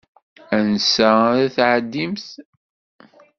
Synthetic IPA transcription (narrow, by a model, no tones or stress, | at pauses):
ænsæðæθʕəd̪ːimθ